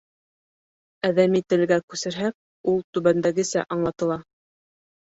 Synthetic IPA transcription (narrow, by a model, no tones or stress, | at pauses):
æðæmit̪ɘ̆lɡækʉsɘ̆ɾɦæk̚ | ulˠt̪ʉβænd̪æɡɘ̆sæ̰ʔɑɴlˠɑt̪ɤ̆lˠɑ